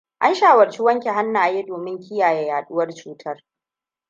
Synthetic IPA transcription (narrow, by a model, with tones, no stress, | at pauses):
ʔa˦nʃaː˦˨wɐ˨rt͡ʃi˦wɐ˦ŋkʲe˨ɦa˦nːaː˨jeː˦doː˨mɪ˦ŋkʲɪ˦jaː˨je˦jaː˨ɗʊ˦wɐ˦rt͡ʃuː˦tʰɐ˦r